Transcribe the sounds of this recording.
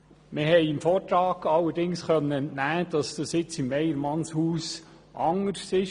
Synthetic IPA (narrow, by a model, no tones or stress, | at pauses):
mɪɦɛɪɪmfɔːɾt̪ɾɑːɡ̥ɑlːəɾdɪŋsχœnːəɛntnæːd̥ɑsd̥ɑsɪt͡sɪmːɛjəɾmɑnshuːs | ʔɑŋəɾsɪʃ